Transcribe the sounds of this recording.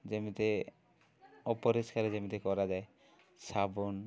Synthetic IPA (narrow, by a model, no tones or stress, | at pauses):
d͡ʑemit̪e | ɔpoɾiskaɾed͡ʑemit̪ekɔɾad͡ʑae | sabon